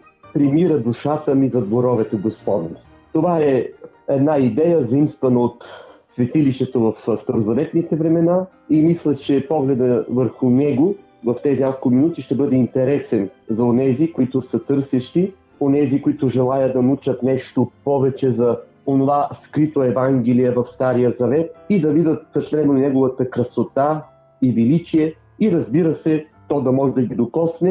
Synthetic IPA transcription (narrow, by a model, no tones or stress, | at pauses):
pɾimiɾəd̪uʃat̪əmizɐd̪voɾɔvɛt̪ɛɡospɔd̪n | t̪ovaɛ | ɛd̪naid̪ɛjəzəimst̪vənəot̪svɛt̪iliʃt̪ɛt̪ovɐfst̪ɐɾozɐvɛt̪nit̪ɛvɾɛmɛna | imislʲət͡ʃɛpɔɡlɛd̪əvəɾxʊnɛɡo | vɐft̪ɛzinʲakʊlkʊminut̪iʃt̪ɛbɤd̪ɛint̪ɛɾɛsɛnzɐonɛzikoit̪ʊsət̪ɤɾsɛʃt̪i | onɛzikoit̪ʊʒɛlˠajəd̪ɐnɐut͡ʃət̪nɛʃt̪opɔvɛt͡ʃɛzɐ | onovaskɾit̪oɛvaŋɡʲɛlijəvɐfst̪aɾijəzɐvɛt̪̚id̪ɐvid̪ət̪̚sɐsɛnoinɛɡovət̪əkɾɐsot̪a | ivɛlit͡ʃiɛ | iɾɐzbiɾəsɛt̪ɔd̪ɐmɔʒɛd̪ɐɡid̪okɔsnɛ